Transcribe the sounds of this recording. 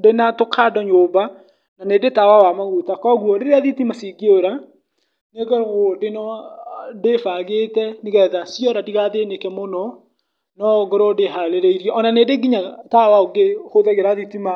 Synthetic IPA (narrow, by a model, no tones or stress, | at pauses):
denatokʰadɔɲoba | nanedetawawamaɣutakɔɣuɔɾeɾeaðitimasiɡioɾa | neɣɛɣodenɔ | defaɣetɛneɣɛðasjɔɾadiɣaðenekɛmonɔ | nɔɡɔɾɔdeɦaleɾeiɾjɛɔnanedeɡiɲatawaoɡehoðɛɣeɾaðitima